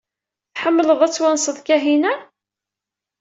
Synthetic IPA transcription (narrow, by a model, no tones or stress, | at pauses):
θħəmːələðˤæt͡sːwænsˤəðˤkæɦinæ